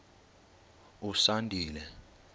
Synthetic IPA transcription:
usandʱiːlɛ

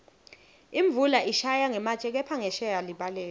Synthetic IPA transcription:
iɱb̪vulaʔiʃajaŋɛmat͡ʃʼɛk̬ɛpʰaŋɛʃɛjaliɓalɛːlɛ

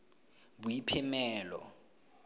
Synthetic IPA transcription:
bujipʰɛmɛːlɔ̰

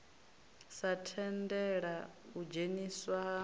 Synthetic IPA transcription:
satʰɛndɛɺa | ud͡ʒeniswa

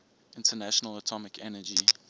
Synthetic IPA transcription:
ɪ̃ntʰənæʃənələtʰɔmɪkʰɛnəd͡ʒi

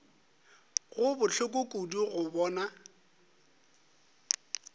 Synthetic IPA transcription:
ɣʊbʊt͡ɬʰʊkʼʊkʼuduɣʊbɔːna

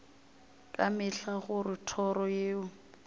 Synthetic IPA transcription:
kʼamɪɬaɣʊrɪtʰɔɾɔjeːʊ

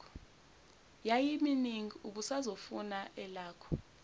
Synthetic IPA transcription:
ɔ | jajiminiŋuɓusazofunaʔɛlaːkʰɔ̥

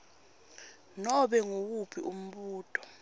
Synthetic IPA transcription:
nɔɓɛŋok̬upʰiʔum̩ɓuːtʼɔ̥

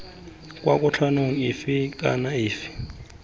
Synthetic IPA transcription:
kʼwakʼut͡ɬʰanoŋ̩ifikʼa̰naiːfi̥

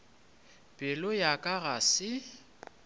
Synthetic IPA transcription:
bʼɪlʊjakʼaɣasɪ

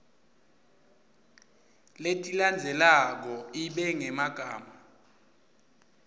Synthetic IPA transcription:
letʼiland͡zʱɛlak̬ɔiɓɛŋɛmaɡ̥ʱaːma

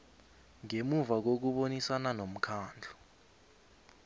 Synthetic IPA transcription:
ŋemuvak̬ok̬uɓonisananom̩kʰaːnd͡ɮʱɔ

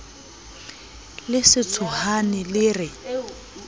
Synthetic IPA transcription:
lɪsɪt͡sʰʊhanɪlɪːrɪ

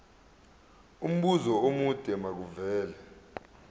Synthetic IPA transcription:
um̩ɓuzɔomud̥ʱɛmak̬uvɛːlɛ

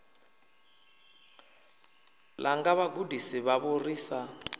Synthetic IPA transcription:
laŋɡaβaɡudisiβaβuriːsa

